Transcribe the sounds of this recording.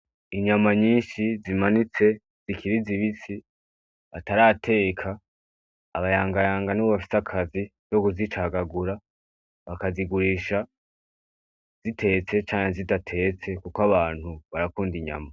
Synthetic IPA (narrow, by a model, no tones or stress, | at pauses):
iɲamaɲiːnʃizimanit͡se̞ | z̥ikʰiɾiziβisi | βataɾaːtʰe̞ːkʰaː | βajaːŋɡajaːŋɡanuβafi̥sakʰazi | joɡuzit͡ʃaɡaɡuɾa | βakaziɡuɾiːʃa | z̥itʰe̞t͡se̞t͡ʃaːɲezidatʰe̞t͡se̞kukaβaːn̥huβaɾakuːndiɲa̰ma